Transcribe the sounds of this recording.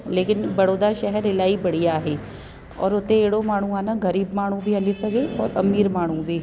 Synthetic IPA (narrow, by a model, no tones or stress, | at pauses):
leːkɪnbɐɽoːd̪aʃɛɦɛɾɪlaːibɐɽ̤ijaːɦeː | ɔ̰ːɾʊt̪eeːɽomaːɳ̤ũaːnãɡɐɾiːbmaːɳ̤ũbʱiɐnisɐɡeɔːɾɐmiːɾmaːɳ̤ũbʱiː